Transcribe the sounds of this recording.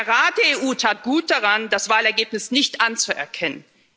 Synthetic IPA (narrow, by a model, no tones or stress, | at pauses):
ʁaːdeeːʔuːtʰaːt̚ɡ̥uːt̚d̥aʁandasv̥aːlɛɐɡeːpnɪsnɪçtʔant͡suʔɛ̰ɐkʰɛnə̰n